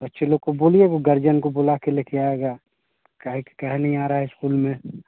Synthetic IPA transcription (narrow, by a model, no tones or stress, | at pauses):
bɐtːʃʰeloɡkoboːlieɡoɡɐɾd͡ʒənkobolakelekeaːeːɡaː | kaɦekkɐɦɛnɐɦĩaːɾaɦaɦɪskuːlmẽ